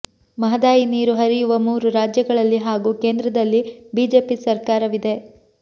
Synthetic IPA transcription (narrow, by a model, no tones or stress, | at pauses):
mɐɦɐd̪aːjiniːɾuɦɐɾijuʋɐmuːɾuɾaːd͡ʒjɐɡɐɭɐlːiɦaːɡuːkeːnd̪ɾɐd̪ɐlːibiːd͡ʒe̞ːpisɐɾkaːɾɐʋid̪e̞